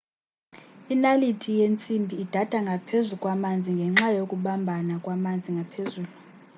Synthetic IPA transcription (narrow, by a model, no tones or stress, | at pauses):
inalitʰijent͡sʼimbʱiːd̥ʱad̥ʱaŋɡʱapʰezukʼwamand͡zʱiŋɡʱɛŋ͡ǁajokʼuɓambʱanakʼwamand͡zʱiŋɡʱapʰezuːlu